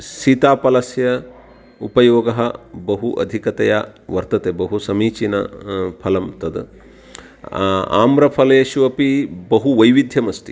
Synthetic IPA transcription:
ʃit̪aːpɐlɐsjɐ | upɐjoːɡɐɦɐbɐɦuʔɐ̰d̪ʱikɐt̪ɐjaʋɐɾt̪ɐt̪eːbɐɦusɐmiːt͡ʃinɐ̰pʰɐlɐmt̪ɐd̪ | a̰ːmɾɐpʰɐlɐjɐʃuʋɐpibɐɦuʋɐjʋid̪ʱjɐmɐst̪i̥

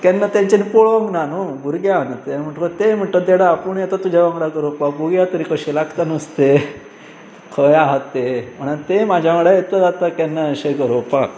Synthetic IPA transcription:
kɛnːat̪jãɲt͡ɕanipoɭʋə̃ŋɡnanoɡʱuɾɡjanət̪em̤əʈkət̪em̤əɳʈəd̪eɽaːpəɳjet̪at̪ːud͡ʑʱaʋə̃ŋɡɽaɡəɾopabuɡjat̪əɾikəɕilaɡt̪anəst̪e | kʰəjaɦət̪ːem̤əɳant̪emad͡ʑʱjaʋəɽaet̪ʋəd͡zat̪akɛnːaəɕeɡəɾopak

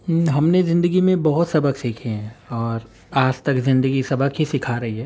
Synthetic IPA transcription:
ɦɐmnezɪ̃nd̪əɡimẽbɐɦʊt̪sɐbʱəksiːkʰeɦɛ̃ɔːɾ | aːd͡ʒt̪ɐkzɪ̃nd̪əɡisɐbʱəkɦisɪkʰaɾɐɦiɦɛː

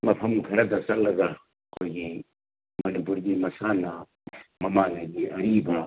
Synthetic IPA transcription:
mɐpʰɐmkʰɐɾɐd̪ɐsɐlɐɡa | koːɡĩ | mɐnubuɾɡimɐsaːnaː | mɐmaːnaɡiɐɾiːbãː

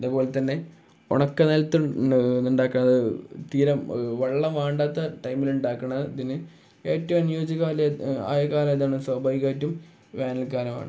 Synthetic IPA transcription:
iðubo̞ːlet̪ɐnːe̞ | o̰ɳɐkːɐnɐlt̪ːunuɳɖaːkːɐɳːɐðɨt̪iːɾɐmʋɐɭːɐmʋaːɳɖaːt̪ːɐʈɐjmiluɳɖaːkːɐɳːɐɐðinɨ | eːtːɐʋunjuːd͡ʑɐɣaːla̰ːjɐkaːlɐmɐðaːɳɨsɐbʱaːʋikaːtːum | ʋaːnɐlkaːɾɐma̰ːɳɨ

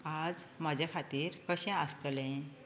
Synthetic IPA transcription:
ad͡zmad͡ʑʱakʰat̪iːɾkəɕɛ̃əst̪lẽ

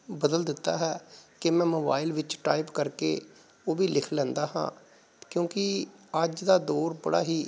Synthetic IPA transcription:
bəd̪əld̪ɪt̪ːa̰ːɦɛːkɪmɛ̃ːmoːbaːɪlʋɪt͡ʃʈaːɪpkəɾkeː | oːʋiːlɪkʰlɛ̃ːnd̪aːɦã̰ː | kjõːkɪəd͡ʒd̪aːd̪oːɾbəɽa̰ːɦiː

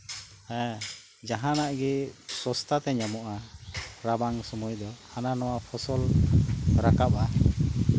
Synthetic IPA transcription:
hɛ̃ | d͡ʒaɦãnaʔɡɛsɔst̪ʰat̪ɛɲamɔʔaɾabaŋsɔmɔjd̪ɔananɔwapʰɔsɔl | ɾakap̚a

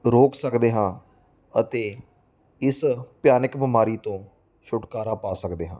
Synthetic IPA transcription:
ɾoːksəkd̪eːɦãː | ət̪eː | ɪspɪjaːnəkbɪmaːɾiːt̪õː | ʃʊʈkaːɾaːpaːsəkd̪eːɦã̰ː

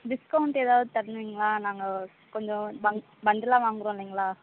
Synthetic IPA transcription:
ɖɪskɐʊɳʈeːðaːʋɐðɯt̪ɐɾɐnɯʋiːŋɡɐlaːnaːŋɡɐ | kɔɲd͡ʒɔ̃bɐ | bɐɳɖɪlãːʋaːŋɡɯɾõlːiːŋɡɐlaː

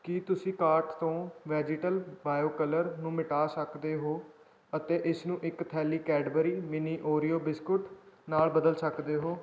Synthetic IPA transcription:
kiːt̪ʊsĩːkaːɾʈt̪õːʋɛːd͡ʒɪʈəlbaːjoːkələɾnũːmɪʈaːsəkd̪eːɦoː | ət̪eːʔɪsnũːʔɪkt̪ʰɛːliːkɛːɖbəɾiːmɪniːʔoːɾijoːbɪskʊʈnaːlbəd̪əlsəkd̪eːɦoː

